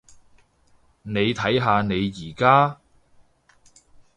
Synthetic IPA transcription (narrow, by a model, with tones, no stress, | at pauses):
ne˨˧jt̪ʰɐ˨˥jɦaː˧ne˨˧jjiː˨˩kaː˥